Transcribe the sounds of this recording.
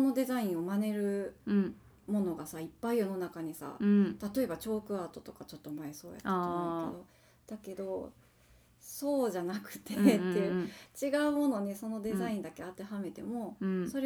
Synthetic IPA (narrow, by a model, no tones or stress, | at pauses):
sono̞d̪e̞zaĩɰ̃o̞mane̞ɾɯ̟ | mo̞no̞ɡasaipːaijo̞no̞nakaɲ̟isa̰t̪at̪o̞e̞bat͡ɕo̞ːkɯ̟aːt̪o̞t̪o̞kat͡ɕo̞t̪ːo̞maeso̞̰ːja̰taamked̪o̞ | d̪̥ake̞d̪o̞ | so̞ːʑanakɯ̟̥t̪e̞t̪ːeɯt͡ɕiɡaɯ̟mo̞no̞ɲ̟iso̞no̞d̪e̞zaĩnd̪ake̞at̪e̞ɦame̞t̪e̞mo̞so̞ɾe